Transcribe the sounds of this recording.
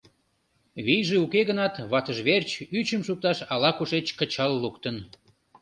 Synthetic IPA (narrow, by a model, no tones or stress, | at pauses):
βijʒeukeɣənɑt̪βɑt̪əʒβert͡ɕyt͡ɕəmʃuk̚t̪ɑʃɑlɑkuʃet͡ɕkət͡ɕɑlːukt̪ən